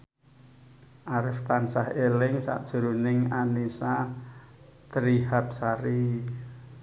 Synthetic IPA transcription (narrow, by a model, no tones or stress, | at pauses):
ʔaɾɪft̪ansahelɪŋsa̰ʔd̥ʒ̥ə̤ɾunɪŋanisa | t̪əɾihap̚saɾi